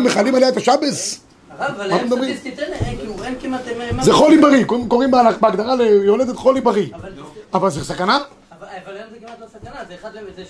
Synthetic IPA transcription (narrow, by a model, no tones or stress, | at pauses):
meχalimaljaet̪aʃabes | mat̪emed̪abʁim | kmat̪zeχolimbaʁikoko̞ʁimbabeaɡd̪aʁalejoled̪et̪χolimbaʁiavalzesakana